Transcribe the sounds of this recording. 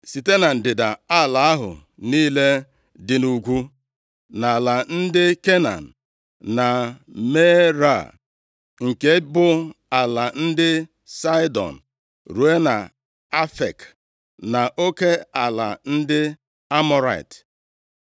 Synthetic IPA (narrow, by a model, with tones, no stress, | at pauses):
si˨te˦na˨n̩˨dɪ˨da˨a˦˨la˨a˦ɦʊ̰˨ | niː˦le˦ | dɪ˨nu˨ɡʷu˦ | na˨la˨n̩˦dɪ˦ke˦na̰˨n̩˨ | na˨me˦ɾa̰˦˨ | ŋ̩˨ke˦bʊ˦ | a˨la˨n̩˦dɪ˦ | sa˦ɪ˦dɔ̰˨n̩˨ | ɾu˨e˦na˨ | a˦fḛ˨k | na˨ʔo˦ke˦a˨la̰˨n̩˦dɪ˦ | a˦mɔ˦ɾa̰˦˨ḭ˨t